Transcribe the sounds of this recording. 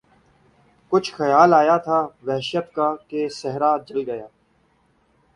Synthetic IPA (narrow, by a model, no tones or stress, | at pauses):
kʊt͡ʃʰxəjaːlaːjaːt̪ʰaːʋɛɦʃət̪kaːkesɛɦɾaːd͡ʒəlɡəjaː